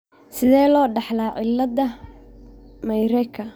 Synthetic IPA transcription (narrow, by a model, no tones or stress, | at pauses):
sɪðɛːlɔːɖɑħlaːʔɪlːɐd̪ɐ | mɐjɾɛkʰɐ